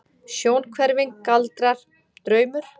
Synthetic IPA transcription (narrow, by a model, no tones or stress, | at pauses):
sjoːwnkʰvɛɾvɪŋkːalt̪ɾaɾ̥ | t̪ɾœːɥmʏɾ̥